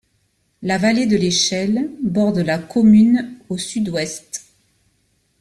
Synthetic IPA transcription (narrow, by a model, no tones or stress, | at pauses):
lavaled̪əleʃɛlbɔʁd̪əlakɔmynosyd̪wɛst̪